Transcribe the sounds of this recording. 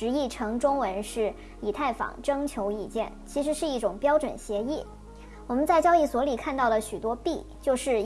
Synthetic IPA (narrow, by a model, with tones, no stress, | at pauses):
ɻ̩˧˥i˥˩ʈ͡ʂʰɤ˧˥ŋʈ͡ʂʊ˥ŋwə˧˥nʂɻ̩˥˩ | i˨˩t̪ʰa˥˩ɪfɑ̰˨˩ŋʈ͡ʂɤ˥ŋt͡ɕʰjo˧˥ʊi˥˨˩t͡ɕjɛ˥˩nt͡ɕʰi˧˥ʂɻ̩˧˥ʂɻ̩˥˧i˥˩ʈ͡ʂʊ˨˩ŋpjɑ˥ʊʈ͡ʂwə̰˨˩nɕjɛ˧˥i˥˩ | wɔ˨˩mə˦nt͡sa˥˩ɪt͡ɕjɑ˥ʊi˥˩swɔ˧˥li˨˩kʰa˥˧nt̪ɑ˥˩ʊd̪ə˩ɕy˨˩t̪wɔ˥pi˥˩ | t͡ɕjo˥˧ʊʂɻ̩˥˧